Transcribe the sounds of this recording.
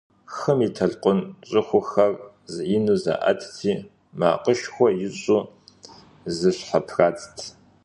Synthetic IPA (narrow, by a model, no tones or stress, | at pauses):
xɨmitʰɐɮqʷʼʊnɕʼɨxʷʊxɐr | zʔinuza̰ːʔɐ̰tʰtʰiː | ma̰ːqʼəʃxʷɔjɪɕʼuː | zɨɕħapʰraːt͡sʼtʰ